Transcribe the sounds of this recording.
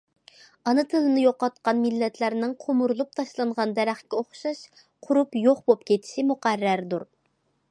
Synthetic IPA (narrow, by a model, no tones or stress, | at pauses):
ɑnɨt̪ʰɨlˠɨnɨjoqɑt̪̚qɑnmɪlːɛt̪ʰlæɾnɪŋqʰomuɾlˠup̚t̪ʰɑʃlˠɑɴʁɑnd̪ɛɾæχkʲɛoχʃɑʃ | qʰʊɾupjoχbop̚kʲʰet̪ʰɪ̥ʃɪmuqæɾːæɾd̪uɾ